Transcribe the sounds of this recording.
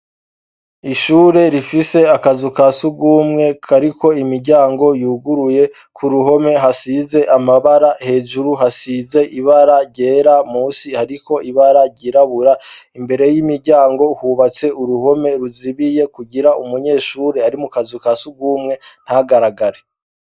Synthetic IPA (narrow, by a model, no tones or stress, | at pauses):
iʃuːɾe̞ɾifise̞akazukasuɡuːmŋe̞kʰaɾiko̞imiɾɟaːŋɡo̞juːɡuɾuje̞ | kʰuɾuɦo̞me̞ɦasize̞ʔamaβaɾahe̞ːʒuɾuɦasize̞ʔiβaɾaɾɟe̞ːɾamuːsihaɾiko̞iβaɾaɾɟiɾaβuɾa | imbe̞ɾe̞jimiɾɟaːŋɡo̞huβat͡se̞uɾuho̞me̞ɾuziβije̞kuɟiɾaʔumuɲe̞ːʃuːɾe̞aɾimukazukasuɡuːmŋe̞n̥haɡaɾaɡaɾe